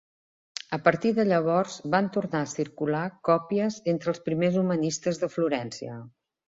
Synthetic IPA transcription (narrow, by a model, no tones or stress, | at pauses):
əpəɾt̪iðəʎəβ̞ɔrzbant̪uɾnaəsiɾkulakɔpiəzent̪ɾəlˠspɾimezumənist̪əzðəfluɾɛnsiə̰